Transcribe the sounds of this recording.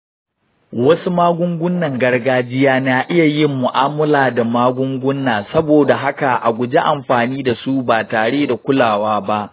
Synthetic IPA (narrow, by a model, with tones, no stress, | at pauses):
wɐ˦su˦maː˦ɡʷʊ˦ŋɡʷʊ˦nːɐ˨ŋɡɐ˦rɡaː˦d͡ʒɪ˦jaː˦naː˦ʔɪ˦ja˨jɪ˦mːʊ˨ʔaː˦mʊ˦laː˨da˨maː˦ɡʷʊ˦ŋɡʷʊ˦nːaː˨sɐ˦boː˨da˨ɦa˦ka˨ʔa̰˨ɡʷʊ˨d͡ʒe˦ʔa˨mɸaː˨niː˦da˨su˦baː˨taː˨ɽeː˦da˨kʷʊ˦laː˨waː˦ba˦ʔ